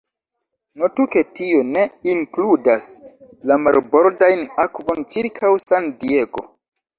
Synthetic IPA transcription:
notuke̞tio̞ne̞iŋkludas | lamaɾbo̞ɾdajnakvo̞nt͡ʃiɾkʰawsandieɡo̞̰

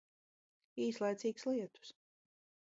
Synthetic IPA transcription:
iːslˠajt̪siːkslˠiɛt̪u̥s

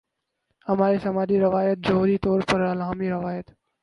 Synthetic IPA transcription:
hɐmaːɾisɐmaːdiɾɐʋaːjət̪̚d͡ʒəɦuːɾit̪ɔːɾpəɾɐlaːmiɾɐʋaːjət̪

